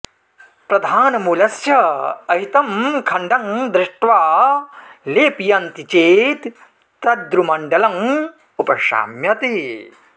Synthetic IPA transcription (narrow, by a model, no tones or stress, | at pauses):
pɾɐd̪ʱaːnɐmuːlɐsjɐɐɦit̪ɐmkʰɐɳɖɐŋd̪ɾɪʂʈʋaː | leːpijɐnt̪it͡ʃeːt̪ː | ɐd̪ɾumɐɳɖɐlɐm | upɐʃa̰ːmjɐt̪e